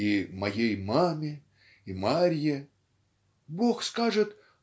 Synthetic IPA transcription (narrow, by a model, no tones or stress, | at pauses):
imɐjejmamʲɪ | imaɾʲjɪ | bo̞xskaʐɨt̪